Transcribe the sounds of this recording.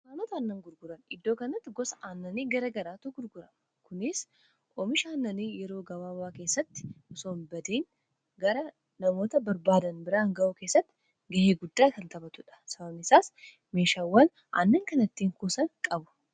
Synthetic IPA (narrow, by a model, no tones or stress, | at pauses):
maːnɔt̪ɐːnːɐŋɡʊɾɡʊɾɐnɪd̪ːo̞ːkɐnɐt̪ːɪɡɔsɐʔaːnːɐniːɡɐɾɐɡɐɾaːt̪ʊɡʊɾɡʊɾɐm | kʊnɪs | ʔɔmɪʃaːnːɐniːjɛɾo̞ːɡɐwaːwaːke̞ːsːɐt̪ːɪ̥ʔɔsoːnbɐd̪eːn | ɡɐɾɐ | nɐmo̞ːt̪ɐbɐɾbaːd̪ɐnbɪɾaːŋɡɐʔuːke̞ːsːɐt̪ːɪ̥ | ɡɐheːɡʊd̪ːaːkɐnt̪ɐbɐt̪ʊᶑɐ̥sɐbɐmɪsaːs | meːʃaːwːɐn | ʔa̰ːnːɐŋkɐnɐt̪ːiːŋkuːsɐnkʼɐbʊ̥